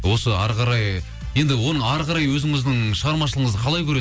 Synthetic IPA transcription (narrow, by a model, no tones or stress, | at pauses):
wo̞səɑ̰ɾqɑɾɑj | je̞nd̪ɪwo̞nəɴɑɾqɑɾɑjwɵzɪŋɪzd̪ɪŋʃəʁɑɾmɑʃ̬əlˠəɴəzd̪əqʰɑlˠɑjkʰɵɾe